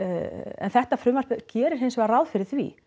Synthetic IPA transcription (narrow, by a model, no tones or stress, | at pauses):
ɛ̰nθɛht̪afɾʏːmar̥pɛcɛːɾɪɾ̥ɦensvɛɣaɾawðfɪɾɪð̥θvḭ